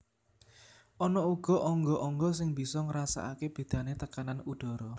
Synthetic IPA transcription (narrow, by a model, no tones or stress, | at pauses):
ʔɔnɔuɡ̥ɔ̤ʔɔŋɡɔʔɔŋɡɔsɪŋb̥i̤sɔŋəɾasa̰ʔakeb̥e̤d̪̥ä̤net̪əkananuɖ̪̥ɔ̤ɾɔ